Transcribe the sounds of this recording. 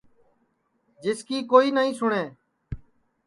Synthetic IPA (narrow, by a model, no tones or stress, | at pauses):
d͡ʒɪskiːkoːiːnəɦĩːsʊɳeː